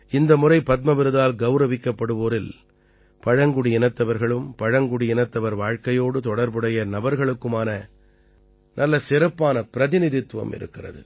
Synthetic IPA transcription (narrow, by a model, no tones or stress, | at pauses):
ɪnd̪ɐmʊrɐɪpɐt̪̚mɐʋɪɾɯðaːlɡɐʊɾɐʋɪkːɐpːɐɽɯʋoːɾɪl | pɐɻɐŋɡɯɽiɪnɐt̪ːɐʋɐɾɣɐɭɯmpɐɻɐŋɡɯɽiɪnɐt̪ːɐʋɐɾʋaːɻkɐjoːɽɯt̪ɔɽɐɾbɯɽɐjɐnɐbɐɾɣɐɭɯkːɯmaːnɐ | nʔɐlːɐsɪɾɐpːaːnɐpɪɾɐðɪnɪðɪt̪ːʋɐ̰mʔɪ̰ɾɯ̰kːɪrɐ̰ðɯ̰